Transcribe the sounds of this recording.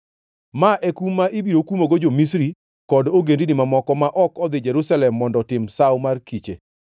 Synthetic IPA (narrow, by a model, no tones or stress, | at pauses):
maʔɛkumːaʔɪbiɾokumoɡod͡ʒomisɾi | kɔdoɡendinɪmamɔkɔmaʔɔkɔd̪ɪd͡ʒɛɾusalɛmːɔndɔtɪmsawmarkit͡ʃḛ